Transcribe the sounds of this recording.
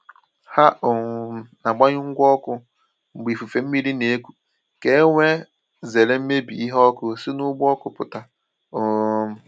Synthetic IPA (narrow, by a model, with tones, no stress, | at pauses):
ha˦ʊ˨˦na˨ɡ͡ba˦ɲʊ˦ŋ̩˦ɡʷɔ˦kʊ˦ | ŋ͡m̩˨ɡ͡bi˨fu˨fe˨m̩˦mi˦ɾi˦ne˨˦kʷu̥˨ | ke˦e˦ŋʷe˦ | ze˨le˦m̩˦me˦bḭ˨i˦ɦɔ˦kʊ˦sɪ˦nʊ˦ɡ͡bɔ˦kʊ˨pʊ˨ta˨ | ʊ˨